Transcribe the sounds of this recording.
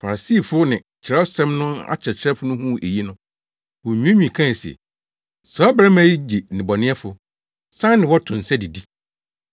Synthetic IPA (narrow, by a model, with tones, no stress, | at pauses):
fa˨ɾa˨siː˦˨fʊ˦nɪ̃˨ | t͡ɕʰɪ˨ɾɛ˦ɔ˦sɛ̃˦mnʊ̃˦a̰˦t͡ɕʰɛ˨t͡ɕʰɾɛ˦fʊ˦nʊ̃˦hũ˦ʔe˨ji˦nʊ̃˦ | wɔ˨ɲũ˦ẽ˦ɲĩ˨kʰã˦˨sɛ̰˨ | sa˨˦bɾɛ˦mã˦ji˦d͡ʑi˨nɪ̃˨bɔ˨nɪ̃˦ɛ˦fʊ˨ | sã˦nɪ̃˨wɔ˦tʰʊ̃˨n̩˨sɛ˦di˨di˦